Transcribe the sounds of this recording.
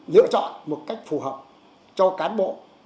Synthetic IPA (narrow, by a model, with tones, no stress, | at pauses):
lɨ̰˧˨ət͡ɕɔ̰˧˨nmo˨˩t̚ka˦˥jk̟̚fu˨˩həː˨˩p̚ | t͡ɕɔ˧kaː˨˦nɓo̰˧˨